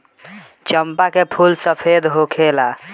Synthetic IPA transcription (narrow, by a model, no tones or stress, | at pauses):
t͡ʃəmpakepʰulsəpʰed̪ɦokʰela